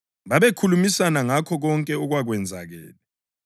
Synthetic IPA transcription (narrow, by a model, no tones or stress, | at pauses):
βaβekʰulumisanaŋakʰɔɣɔŋkʼɛɔɣwaɣwɛnd͡zʱa̰ɣɛ̰ːlɛ